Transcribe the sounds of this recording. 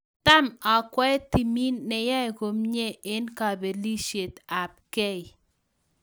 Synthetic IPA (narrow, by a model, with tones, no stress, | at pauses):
t̪a˦ma˨kwɛ˦t̪i˨mi˦nːɛ˨ja˦e˨ko˨mɲe˦˨e˦nka˨be˨li˦ʃe˨t̪a˨p̚ke˦i˨